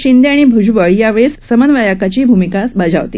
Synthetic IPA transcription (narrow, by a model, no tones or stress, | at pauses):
ɕind̪jaɽ̃ibʱud͡ʑʋəɭjaʋɭesːəmənʋajakat͡ɕiːbʱumikasbad͡zʱa̰ʋt̪ḭː